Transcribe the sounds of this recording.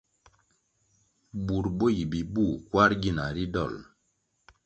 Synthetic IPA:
bu˨ɾbo˦ji˨bi˨bu˦˨kwa˦ɾɡi˦˨na˨ɾi˦dɔ̰˦˨l

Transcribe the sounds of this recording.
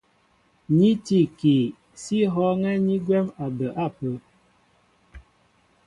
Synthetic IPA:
ɲi˦ti˦˨ki˨ | si˦ɦɔ˦ŋɛ˦ɲi˦ɡwɛ˦ma˨bə˨ʔa˦˨pə˨˦

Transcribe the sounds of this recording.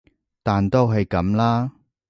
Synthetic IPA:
t̪aː˨nt̪o˥wɦɐ˨jkɐ˨˥mlaː˥

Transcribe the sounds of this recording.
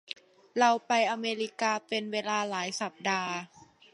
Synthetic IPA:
ɾa˧wpa˧jʔa˧meː˧ɾiː˧kaː˧pe˧nweː˧laː˧laː˩˦jsa˨˩p̚daː˧

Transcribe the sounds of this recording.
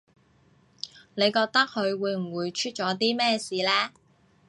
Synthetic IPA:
ne˨˧jkɔː˧k̚t̪ɐ˥k̚hɵ˨˧ɥwuː˨˧jm̩˨˩wuː˨˧jt͡ʃʰyː˥t̚t͡ʃɔː˨˥t̪̬iː˥mɛː˥siː˨˧lɛː˥

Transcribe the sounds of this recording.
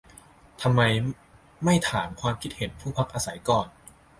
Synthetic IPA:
t̪ʰa˧mːa˧j | ma˥˩jt̪ʰaː˩˦mkʰwaː˧mkʰi˦˥t̪̚he˩˦npʰuː˥˩pʰa˦˥k̚ʔaː˧sa˩˦jkɔː˧˩n

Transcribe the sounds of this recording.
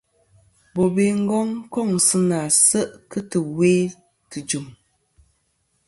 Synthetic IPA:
bo˨be˦˨ŋ̩˦ɡɔ˦ŋkɔ˦˨ŋ˨sɨ˦na˨sə˦ʔkɨ˦tɨ˨weː˦ | tɨ˨d͡ʒu˨m

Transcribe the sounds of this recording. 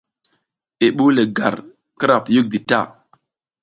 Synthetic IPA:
e˨ɓu˦le˨ɡa̰˨ɾ | kə˦ɾa˨pju˦k̚di˨ta̰˦˨

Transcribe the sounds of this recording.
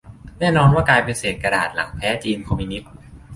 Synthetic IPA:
nɛː˥˩nɔː˧nwaː˥˩kaː˧jpe˧nseː˨˩t̪̚ka˧ɾaː˨˩t̪̚la̰˩˦ŋpʰɛː˦˥t͡ɕiː˧nkʰa˧miː˧ni˦˥t̪̚

